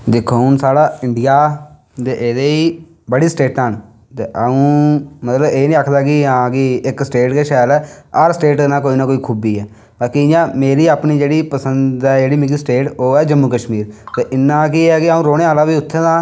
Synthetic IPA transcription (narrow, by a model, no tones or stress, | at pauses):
d̪ɪkʰːonsaːɽaːɪɳɖɪjaː | t̪eʔːd̪eiː | bəɽiːsʈeːʈən | t̪eːʔəũːmət̪ləbeːnĩːakʰd̪aːkɪãːkɪɪksʈeːʈkeːʃɛːlɛːəɾsəʈeːʈːnãːkoːiːnãːkoːiːkʰuːbiːɛː | baːkiɪjãːmeːɾiːaːpniːd͡ʒeːɽiːpəsənd̪ɛːd͡ʒeːɽiːmɪkisʈeːʈoːɛːd͡ʒəmːuːkəʃmiːɾt̪eːʔɪnːãːk̬iːɛːkɪaːũːɾoːɽẽːaːlaːbiːʊt̪ʰːẽːt̪ãː